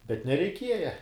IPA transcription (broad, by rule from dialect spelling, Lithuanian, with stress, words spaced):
bʲɛt nʲɛrʲɛɪˈkʲiɛjɛ